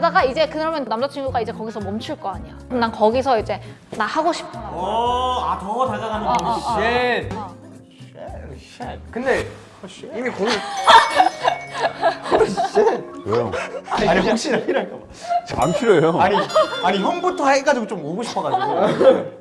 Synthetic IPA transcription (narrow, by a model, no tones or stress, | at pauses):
daɡaid͡ʑe̞kɯɾamjʌnnamd͡ʑat͡ɕʰiŋɡuɡaid͡ʑe̞kʌɡisʰʌmʌmt͡ɕʰuɭk͈ʌaɲiɾanakʌɡisʰʌid͡ʑe̞ | nahaɡoɕʰi̥pʰʌɡa | atʌtadaɡae | kɯnde̞ | ɕimikoɾɯ | oɾɯɕ͈ekejo̰aɲiɦok̚ɕ͈iɾapʰiɾɯaɭk͈am | t͡ɕa̰mpʰiɾjojoaɲiaɲiçjʌnbutʰʌheɡad͡ʑiɡot͡ɕomoɡoɕʰi̥pʰʌɡad